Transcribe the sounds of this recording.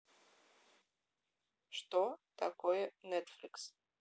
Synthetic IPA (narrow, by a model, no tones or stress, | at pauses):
ʂt̪ot̪akojɛnet̪flʲiks